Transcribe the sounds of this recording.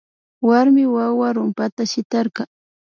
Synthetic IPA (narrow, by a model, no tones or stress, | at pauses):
waɾmɪwawaɾʊmpat̪aʃɪt̪aɾɢɑŋ